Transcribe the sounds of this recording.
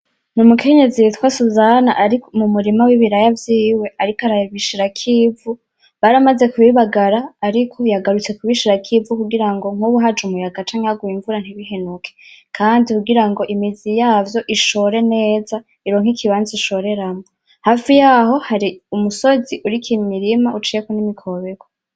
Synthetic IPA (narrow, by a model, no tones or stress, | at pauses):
numukʰe̞ɲe̞zitwasuzana̰ʔaɾimumuɾimawiβiɾajavjiːwe̞ʔaɾikaɾaβiʃiɾakʰiːvu | βaɾamaze̞kuβiβaɡaɾaːɾikʰo̞jaɡaɾut͡se̞kuβiʃiɾakʰiːvukuɡiɾaŋɡo̞ŋ̥uβuɦad͡ʒumujaɡat͡ʃaːŋijaɡuiɱvuɾan̥hiβiɦenukʰekʰaːndikuɡiɾaŋɡo̞ʔimizijaːvjo̞ʔiʃo̞ɾe̞ne̞ːza | iɾo̞ːŋ̥ikʰiβaːnziiʃo̞ɾe̞ɾamo | haːfijaho̞haɾiumuso̞ziʔuɾikʰimiɾimaʔut͡ʃijekonimikʰo̞βeɡo